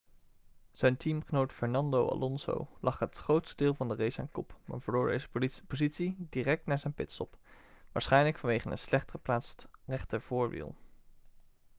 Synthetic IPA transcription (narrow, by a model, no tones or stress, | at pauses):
z̥ɛjntʰimχənowtfɛɹnɑndowa̰lʔɔnzo̰wlʔɑχɦətχrowtstədɪːlˠvɑndərejsɛ̰nkɔpma̰ːɹvəɹlʊːɹdḛjzəpopozitsidirɛk̚tnaːɹzɛjnpɪtsɔ̰pʋaːɹsχɛjnləkfɑnʋejχənə̰nslɛχtχəplaːtstrɛχtəv̥ʊːɹʋḭlˠ